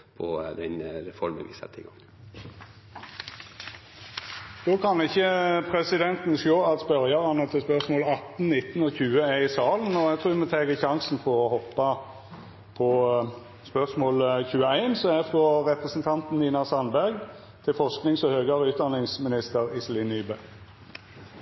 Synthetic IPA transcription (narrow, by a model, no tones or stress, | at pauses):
pʰɔd̪ɛnɾɛfɔɾmə̰ʋɪ̰sɑ̰t̪ʰːɪ̰ɡɑŋ | d̪̥oːkʰɑnɪçːəpʰɾɛsɪd̪ɛnt̪n̩ʃoːɑt̪spœʁjɑʁɑnət̪ʰɛspœʁsmoːlɑt̪n̩nɪt̪n̩oːçʉːəæɪsɑːln̩ɔɛt̪ʁuːmɛt̪ʰeːɡəçɑŋsn̩fɔʁɔhɔpːɑ | pʰɔ | spœʁsmoːlçʉːəæɪnsɔæfʁɔʁɛpʁəsn̩t̪ʰɑnt̪n̩niːnɑsɑnbæʁɡ | t̪ʰɪlfɔʁsknɪŋsɔhøːɡɑʁəʉːt̪̚d̪ɑnɪŋsmɪnɪst̪əʁɪslɪnyːbə